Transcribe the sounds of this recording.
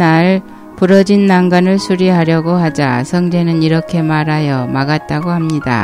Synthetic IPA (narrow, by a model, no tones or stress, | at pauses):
aɭ | puɾʌd͡ʑinːaŋɡanɯɭsʰuɾiɦaɾjʌɡohad͡ʑa̰sʰʌŋd͡ʑe̞nɯniɾʌkʰe̞maɾajʌmaɡat̚t͈aɡohamɲida̰